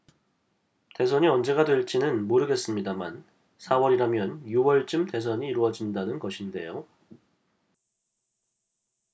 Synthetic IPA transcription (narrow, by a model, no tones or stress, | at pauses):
te̞s̬ʰʌɲiʌnd͡ʑe̞ɡadwe̞ɭt͡ɕ͈inɯnmoɾɯɡe̞s͈ɯmɲidaman | sʰawʌɾiɾamjʌnjuwʌɭt͡ɕ͈ɯmte̞s̬ʰʌɲiːɾuwʌd͡ʑindanɯnɡʌɕʰinde̞̰jo